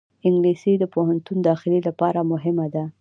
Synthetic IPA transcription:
ɪŋɡlisid̪əpoɦant̪und̪ɑxɪlelapɑɾamʊɦɪmad̪a

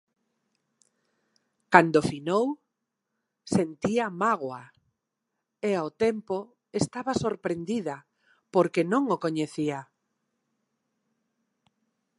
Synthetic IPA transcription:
kand̪ofinow | sent̪iamaɣ̞wa | eaot̪ɛmpo | est̪aβasoɾpɾend̪iðɐ | poɾkenõŋokoɲeθia

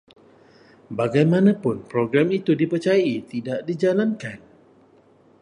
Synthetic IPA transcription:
baɡajmãnãpʊnpɾoɡɾamit̪udipərt͡ʃajait̪idaʔdid͡ʒalankan

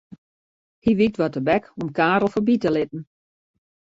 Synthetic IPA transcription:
hiʋik̚tʋɔtəbɛkɔmkaːɾl̩ˠfobitəlɪt̚n̩

